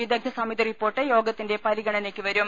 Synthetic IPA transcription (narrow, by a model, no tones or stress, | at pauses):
id̪ɐɡ̚d̪ɐsɐmid̪ɐripːoːrʈːɨjo̞ːɡɐt̪ːinde̞pɐɾiɡɐɳɐne̞ːkːɨʋɐɾum